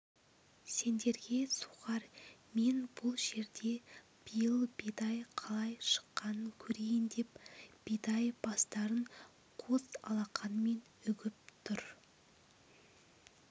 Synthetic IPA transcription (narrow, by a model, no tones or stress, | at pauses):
se̞nd̪e̞ɾɡʲe̞suʁɑɾme̞nb̥ʊlˠʒe̞ɾd̪e̞ | b̥ijəlˠbed̪ɑjqʰɑlˠɑjʃə̥qːɑnəŋkʲʰɵɾejɪnd̪e̞pb̥ed̪ɑjb̥ɑst̪ɑɾəɴ | qʰozɑ̰lˠɑqʰɑnəme̞n | ʏɡʲɪp̚t̪ʰʊɾ